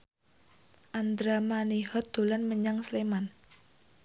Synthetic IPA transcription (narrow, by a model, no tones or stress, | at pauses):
ʔand̪ɾamanihɔt̪̚d̪̥o̤lanməɲaŋsleman